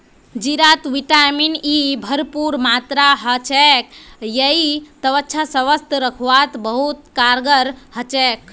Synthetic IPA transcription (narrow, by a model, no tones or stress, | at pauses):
d͡ʒiɾat̪ʋiʈaminibʱəɾpuɾmat̪ɾaɦət͡ʃekjəit̪əʋətːʃʰasəʋəst̪əɾəkʰʋat̪bəɦut̪kaɾɡəɾhət͡ʃek